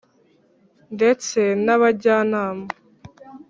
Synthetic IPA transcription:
ndet͡senaβaɟaːnaːma

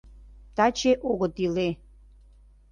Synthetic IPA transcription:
t̪at͡ɕeʔoɣə̆t̪ile

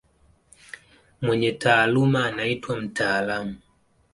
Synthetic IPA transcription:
mwɛɲɛtaːlumaːnaitwam̩taːlamu

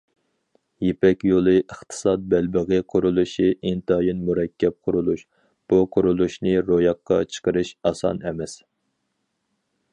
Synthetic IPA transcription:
jepɛkʲjolˠɨʔəχt̪ʰɨ̥sɑt̪̚bɛlbəʁɨqʰʊɾulˠuʃiʔint̪ɑjinmuɾɛkʲʰːɛp̚qʰʊɾulˠuʃ | b̥uqʰʊɾulˠuʃnɨɾojɑqːɑ̰t͡ʃʰə̥qəɾɨʃɑsɑ̰nɛmɛs

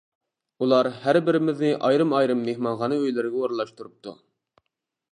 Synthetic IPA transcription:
ulˠɑɾhæɾbɪɾɪmɪznɪʔɑjɾɨmɑjɾɨmːehmɑnʁɑnɨøjlɪɾɪɡʲɛoɾlˠɑʃt̪uɾup̚t̪ʰṵ

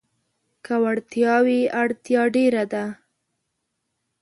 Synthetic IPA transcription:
kawaɽt̪jɑwiaɽt̪jɑɖeɾad̪a

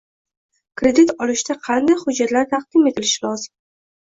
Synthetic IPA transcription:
kɾe̞d̪it̪ɒlɪʃt̪aqʰɑnd̪ajhʊd͡ʒːat̪laɾt̪ʰɑq̚d̪̥ɪme̞t̪ʰɪlɪʃɪlɒzɪm

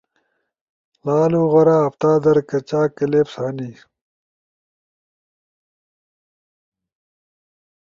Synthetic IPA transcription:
laːluːɣɐɾaːɐpt̪aːd̪ɐɾkɐt͡ɕaːkɐleːpsaːniː

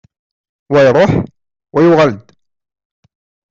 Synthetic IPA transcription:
wæjɾˤoːħ | wæjʊɣald̪

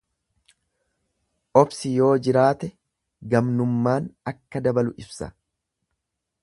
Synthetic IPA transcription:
ʔɔbsɪjo̞ːd͡ʒɪɾaːt̪ɛ | ɡɐmnʊmːaːnɐkːɐd̪ɐbɐlʊʔɪbsɐ̥̰

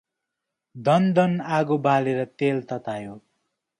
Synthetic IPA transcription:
d̪ʌnd̪ʌnaɡobaleɾʌt̪elt̪ʌt̪ajo

